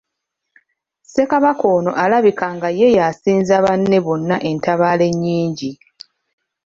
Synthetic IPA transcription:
se̞kaβako̞ːno̞ʔalaβikaŋɡaje̞jasiːnzaβanːe̞βo̞nːaʔe̞ntaβaːle̞ɲːiːɲɟi

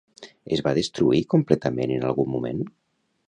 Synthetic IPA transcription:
ezβaðest̪ɾuikumplɛt̪əmenənalˠɣummːumḛn

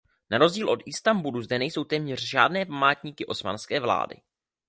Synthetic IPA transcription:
naɾo̞zɟiːlʔo̞t̪ɪst̪ambuluzdɛnɛjso̞wt̪ɛːmɲɛr̝ʒa̰ːdnɛːpamaːt̪ɲiːkɪʔo̞sma̰nskɛːvla̰ːdɪ̰

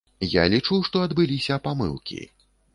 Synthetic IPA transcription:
ja̰lʲit͡ʂuwʂt̪ɔɐd̪bɨlʲisʲɐpamɨ̰lˠkʲḭ

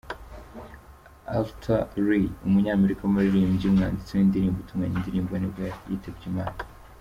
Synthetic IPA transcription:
a̰ltʰaɾiumuɲaːme̞ɾikaumuɾiɾiːmɟiumŋaːndit͡senindiɾiːmɡutumŋaɲindiɾiːmɡwanibɡajḭtebɟima̰ːna

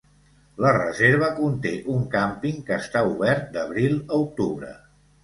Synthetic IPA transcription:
lərəzeɾβ̞əkunt̪eʔuŋkampiŋkəːst̪auβɛɾt̪̚d̪əβɾilˠəuk̚t̪uβɾə̰

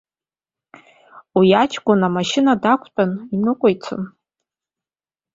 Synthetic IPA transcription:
wijat͡ʃʰɡʷʼʊnamaʃɪnadakʷʰt͡pʷʼʊninɨkʷʼojt͡sʷʰo̰n

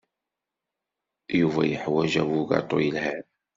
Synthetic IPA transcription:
juvæ̰jəħwæʒæwuɡɑ̰t̪ˤojəlhæ

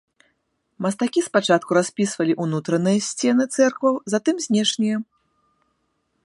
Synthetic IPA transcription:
mɐst̪akʲispat͡ʂat̪̚kuɾasʲpʲisvɐlʲiʔunut̪ɾɐnɨjɐsʲt͡sʲɛnɨt̪sɛrkvɐwzat̪ɨmzʲnʲɛʂnʲijɐ

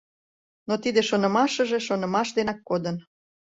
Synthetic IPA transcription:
not̪id̪eʃonɤ̆mɑʃə̆ʒeʃonɤ̆mɑʃd̪enɑkːod̪ən

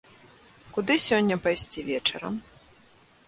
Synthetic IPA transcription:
kud̪ɨsʲɔnʲːɐpajsʲt͡sʲivʲɛt͡ʂɐ̰ɾɐ̰m

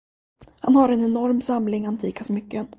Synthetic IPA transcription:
hanhaɾɛnɛnɔɾmsamlɪŋant̪ʰiːkasɔmʏkːən

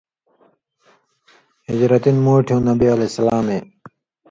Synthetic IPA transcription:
hid͡ʑɾɐt̪inmoːʈʰjũːnɐbialesɐlaːmeː

